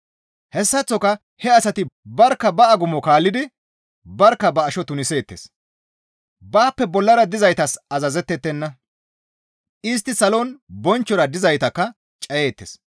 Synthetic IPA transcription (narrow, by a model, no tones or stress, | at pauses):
hɛsːɐt͡sːɔkɐ | hɛɐsɐt̪ɪbɐɾkːɐbɐɐɡʊmɔkaːlːɪd̪ɪ | bɐɾkːɐbɐːʃɔt̪ʊnɪse̞ːt̪ːḛs | baːpːɛbɔlːɐɾɐd̪ɪzɐjt̪ɐsɐzɐzɛt̪ːɛt̪ːɛnːɐ | ɪs̬t̪ːɪsɐlonbɔnt͡ʃːɔɾɐd̪ɪzɐjt̪ɐkːɐ | t͡ʃʼɐje̞ːt̪ːes